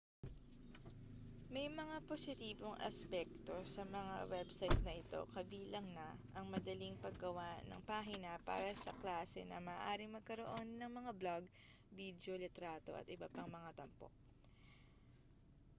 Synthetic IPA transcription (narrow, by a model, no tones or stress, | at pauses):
mɐjmɐŋapo̞sɪt̪iːbo̞ŋʔɐ̰spɛk̚t̪o̞sɐmɐŋa̰wɛbsɐjt̪̚nɐʔɪt̪o̞̰kɐbiːlɐŋnɐʔɐŋmɐd̪ɐliŋpɐɡɡɐwanɐ̰ŋpaːɦɪnɐpa̰ːɾɐsɐ̰klaːsɛ̰nɐ̰maːʔaːɾɪŋmɐɡ̚kɐɾo̞ʔo̞nːɐŋmɐŋablaɡ̚ | bid̪jo̞lɪt̪ɾaːt̪o̞ʔɐ̰t̪ʔɪbɐpɐŋmɐŋat̪ɐmpo̰k̚